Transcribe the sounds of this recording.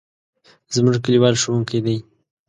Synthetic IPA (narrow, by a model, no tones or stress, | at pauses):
zmʊʒkaliwɑlʃowuŋkajd̪aj